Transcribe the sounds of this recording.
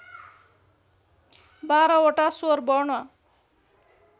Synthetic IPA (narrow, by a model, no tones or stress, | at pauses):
baɾʌoʈasoɾbʌɳʌ